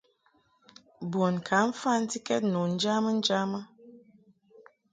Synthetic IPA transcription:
bo˨nkʰa˨˦ɱ̩˦fa˦˨n̩˦ti˦kɛ˦t̚nu˨n̩˦d͡ʒa˦mə˦n̩˦d͡ʒa˦mə˦

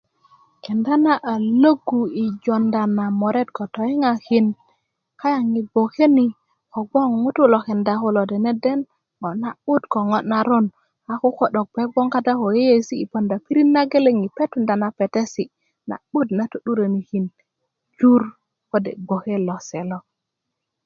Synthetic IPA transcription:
ke˨nda˦na˦ʔa˨lo˦ɡu˨i˨d͡ʒo˨nda˨na˨mo˨ɾe˦t̚ko˨to˨i˦ŋa˨hi˦n | ka˦ja˨ŋi˨bo˨ke˦ni˨ | ko˨ɡ͡bo˦ŋmu˦tu˦lo˨ke˨nda˨ko˦lo˨de˨ne˦de˦n | ŋo˨tna˨ɓu˦tko˨ŋo˦tna˨ɾo˦n | a˨ku˦ko˨ɗo˨k̚pe˦ɡ͡bo˦ŋka˦da˦ko˨je˦je˦˨siː˦˨po˨nda˨pi˦ɾi˦nːa˦ɡe˦le˦˨ŋi˨pe˦tu˨nda˨na˨pe˨te˦si˨ | na̰˨ɓu˦tna˨tu˨˦ɗu˦ɾe˨ni˨hi˨n | d͡ʒu˦ɾ | ko˦dḛ˨ɡ͡bo˨ke˦lo˨se˨lo˦

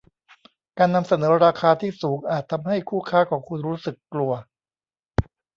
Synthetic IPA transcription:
kaː˧nːa˧msa˧nɤː˩˦ɾaː˧kʰaː˧t̪ʰiː˥˩suː˩˦ŋʔaː˨˩t̪ʰːa˧mha˥˩jkʰuː˥˩kʰaː˥˩kʰɔː˩˦ŋkʰu˧nɾuː˦˥sɯ˨˩kklu˧ɐ

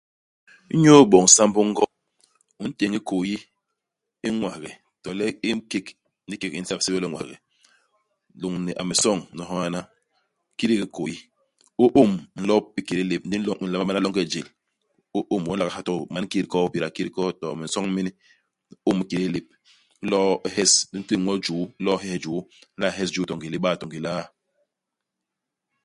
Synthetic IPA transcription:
i˦ɲo˦bɔ˨ŋ̩˨˦sa˦mbu˦ŋ̩˦ɡɔ˦ | u˨n̩˦te˨ŋi˦ko˨ji˦ | i˦ŋwa˨ɣɛ˨ | tɔ˨lɛ˦i˦ke˦k | n̩˦di˦ke˦ki˦n̩˦sa˦pse˦be˦lɔ˦˨ŋʷwa̰˨ɣɛ̰˨ | lu˨ŋni˨ʔa̰˨me˨sɔ˦˨ŋ˨nɔ˨ɦɔ˦a˦na˦ | ki˦ɾi˦ki˦ko˨ji˦ | o˦ʔo˦mn̩˦lɔ˦p̚i˦ke˨ɾi˦le˨p̚n̩˦di˦n˦lo˦i˨la˦ma˦ɓa˦na˦lo˦ŋke˦˨d͡ʒe˨l | u˦ʔu˦mwɔ˦n̩˦la˨ka˨ha˦tu˦˨ma˨˦n˦ki˦ɾi˦kɔ˦pi˨ɾa˨ki˦ɾi˦kɔ˦tɔ˨me˨sɔ˦ŋ˦mi˦ni˦ | u˦mi˦ke˨ɾi˦li˨p̚ | n̩˦lɔ˦he˦sdi˦n˦ti˦ŋʷɔ˦d͡ʒuː˨˦lɔ˦ɦe˦he˦d͡ʒu˨˦n̩˦la˦˨ɦe˦sd͡ʒuː˦tɔ˨ŋɡi˨li˦ɓa˦˨tɔ˨ŋɡi˨la˦

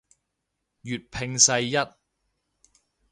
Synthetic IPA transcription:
jyː˨t̚pʰɪ˧ŋsɐ˧jːɐ˥t̚

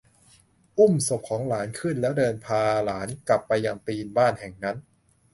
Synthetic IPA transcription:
ʔu˥˩mso˨˩p̚kʰɔː˩˦ŋlaː˩˦nkʰɯ˥˩nlɛ˦˥wdɤː˧npʰaː˧laː˩˦nkla˨˩pːa˧jːaː˧ŋt̪iː˧nbaː˥˩nhɛ˨˩ŋna˦˥n

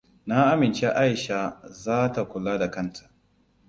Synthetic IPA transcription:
na˦ʔa˦mɪ˨nt͡ʃe˦ʔa˦jʃa˨zaː˦ta˨kʷʊ˨lːaː˦da˨kɐ˦ntʰḁ˨ʔ

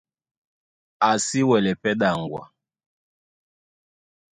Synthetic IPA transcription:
a˨si˦wɛ˨lɛ˨pɛ˦ɗa˨ŋɡwa̰˨

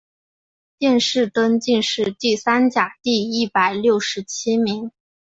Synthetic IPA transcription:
t̪jɛ˥˧nʂɻ̩˥˩t̪ə˥nt͡ɕi˥˧ŋʂɻ̩˥˧t̪i˥˩sa˥nt͡ɕja˨˩t̪i˥˧i˥˩pa˨˩ɪljo˥˩ʊʂɻ̩˧˥t͡ɕʰi˥mi˧˥ŋ

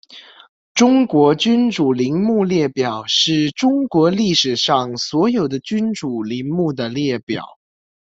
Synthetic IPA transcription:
ʈ͡ʂʊ˥ŋkwɔ˧˥t͡ɕy˥nʈ͡ʂu˨˩li˧˥ŋmu˥˧ljɛ˥˩pjɑ˨˩ʊʂɻ̩˥˩ʈ͡ʂʊ˥ŋkwɔ˧˥li˥˩ʂɻ̩˨˩ʂɑ˥˩ŋswɔ˧˥jo˨˩ʊd̪ə˦t͡ɕy˥nʈ͡ʂu˨˩li˧˥ŋmu˥˩d̪ə˩ljɛ˥˩pjɑ̰˨˩˦ʊ

